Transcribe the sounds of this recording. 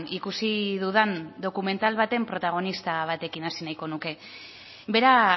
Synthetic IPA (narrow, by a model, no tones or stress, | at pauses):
nikusiðuðand̪o̞kume̞nt̪alβat̪e̞mpɾo̞t̪aɣ̞o̞nist̪aβ̞at̪e̞kinasinajko̞nuke̞ | βe̞ɾa